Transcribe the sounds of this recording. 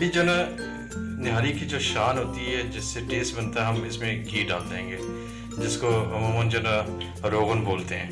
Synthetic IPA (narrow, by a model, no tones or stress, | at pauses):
ɐbʱid͡ʒɐna | nɪɦaːlikid͡ʒoːʃaːnɦoːt̪iɦɛd͡ʒɪsːeʈeːsʈbɐnt̪aɦɛɦɐmɪsmẽɡʱiːɖa̰ːld̪eɦẽːŋɡeː | d͡ʒɪskommənd͡ʒɐna | ɾoːɣənboːlt̪eɦɛ̃ː